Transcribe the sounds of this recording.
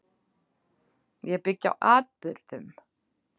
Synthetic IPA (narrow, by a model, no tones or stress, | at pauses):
jɛpɪcːa̰wʔaːt̪̚pʏɾðʏm